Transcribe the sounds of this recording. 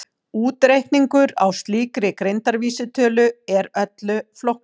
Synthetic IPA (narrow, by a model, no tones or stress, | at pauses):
uːt̪ɾejhkniŋkʏɾa̰wst̪liːkɾɪkɾejnt̪aɾviːsɪt̪ʰœːlʏɛɾœt̪lʏflowhk̪̚